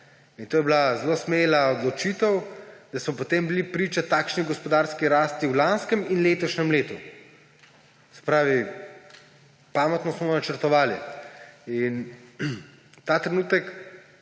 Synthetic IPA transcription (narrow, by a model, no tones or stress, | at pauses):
int̪oːjɛblazlosmelaɔd̪lɔt͡ʃit̪əwd̪̥asmɔpot̪embilipɾiːt͡ʃat̪aːkʃniɡɔspɔd̪aːɾskiɾaːst̪iwlanskəminleːt̪ɔʃnɛmleːt̪u | sɛ̥pɾaːʋi | paːmɛt̪nɔsmɔnat͡ʃəɾt̪ɔʋaːli | in | t̪aːt̪ɾɛnuːt̪ɛk